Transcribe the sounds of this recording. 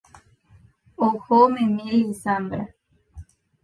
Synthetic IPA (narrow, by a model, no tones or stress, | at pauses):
ohomẽmilisambɾa